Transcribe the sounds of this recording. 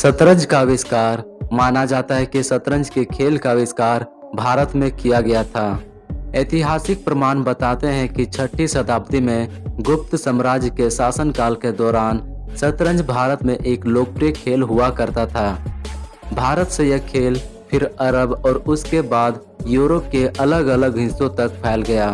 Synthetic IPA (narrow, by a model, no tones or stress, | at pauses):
sət̪ɾə̃nd͡ʒkaʋɪskaːɾmaːnad͡ʒaːt̪aɦɛkisət̪ɾə̃nd͡ʒkekʰeːlkaʋɪskaːɾ | bʱaːɾət̪mẽkijaɡɐjat̪ʰaː | eːt̪ɪɦaːsɪk̚pɾəmaːnbət̪aːt̪eɦɛ̃kit͡ʃʰəʈːisɐt̪aːb̚t̪imẽ | ɡʊp̚t̪səmɾaːd͡ʒkesaːsənkaːlked̪ɔːɾaːnsət̪ɾə̃nd͡ʒbʱaːɾət̪mẽʔeːkloːk̚pɾekʰeːlɦʊakɐɾt̪at̪ʰaː | bʱaːɾət̪sejekʰeːlpʰɪɾəɾəbɔːɾʊskebaːd̪ | juːɾop̚keʔɐləɡɐləɡɦɪ̃sõt̪ɐk̚pʰɛːlɡɐjaː